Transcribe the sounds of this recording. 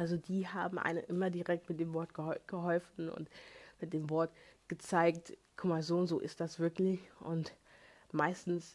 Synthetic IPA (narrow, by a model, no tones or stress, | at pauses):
ʔalzodiːɦaːbm̩ʔa̰ɪnənʔɪmɐdiʁɛk̚tmɪt̚d̥eːmvɔɐtɡ̥əhɔɡ̥əɦɔlfn̩ʊ̰ntmɪt̚d̥eːmvɔɐtɡ̥ət͡saɪkt | kʰʊmaːzoːnz̥o̰ːʔɪ̰st̚d̥asv̥ɪɐklɪçʔʊnt | maɪstn̩s